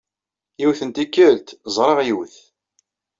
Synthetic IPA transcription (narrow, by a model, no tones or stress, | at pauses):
jiwθənt̪ikːəlt̪zˤɾˤɑʁjiwθ